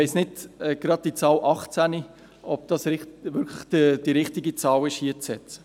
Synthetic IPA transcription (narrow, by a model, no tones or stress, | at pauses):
ʋɛɪsnɪdɛɡ̥ɾɑd̚d̥it͡sɑːlʔɑχt͡sæni | ɔb̥̚d̥ɑːsɾɪʋʏɾkʰləχd̥əd̥iɾɪχtɪɡit͡sɑːlɪʃhiət͡sɛt͡sə̥